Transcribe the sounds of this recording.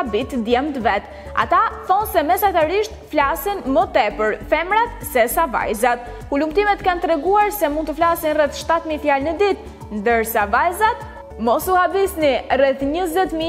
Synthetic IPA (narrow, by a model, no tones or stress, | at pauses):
bit̪d̪jɛmt̪əvɛt̪ | a̰t̪aθɔnsɛmɛsat̪aɾiʃt̪flasinmət̪ɛpəɾfɛmɾat̪sɛsava̰jzat̪ | kulum̚t̪imɛt̪kant̪ɾɛɡuaɾsɛmund̪t̪əflasinrɛθʃt̪at̪mifjalnəd̪it̪ | nd̪əɾsavajzat̪ | mɔsuhabisnirɛθɲəzɛt̪mi